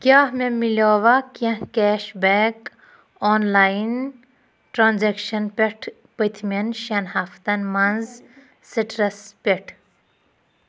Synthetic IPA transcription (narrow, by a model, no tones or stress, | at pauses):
kʲjaːhmẽmiloːʋakɐ̃kɛːʃbeːk | oːnlaːin | ʈɾãːnzekʃɐnpʲeʈʰ | pət̪ʰmʲɐnʃɐnhaːft̪ɐnmɐnz | siʈɾɐspʲeʈʰ